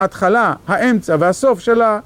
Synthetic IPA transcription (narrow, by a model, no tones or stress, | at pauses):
at̪χalahaʔemt͡savehaso̞fʃela